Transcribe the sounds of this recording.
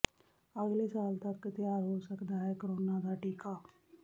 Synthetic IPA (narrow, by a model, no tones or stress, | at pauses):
əɡlesaːlt̪əkːt̪jaːɾɦosəkd̪aɦɛkɾoːnad̪aʈiːkaː